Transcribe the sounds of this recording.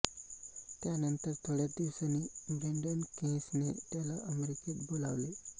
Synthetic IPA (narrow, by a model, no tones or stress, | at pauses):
t̪janənt̪əɾt̪ʰoɽjad̪iʋsanibɾeɳɖənkẽsnet̪jalaʔəmeɾikebolaʋle